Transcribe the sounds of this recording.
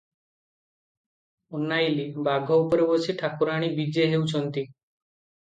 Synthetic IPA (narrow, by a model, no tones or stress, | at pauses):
unːajlibaɡʱɔupɔɾebɔsʰiʈʰakuɾaɽ̃ibid͡ʒeɦewt͡ʃʰɔnt̪i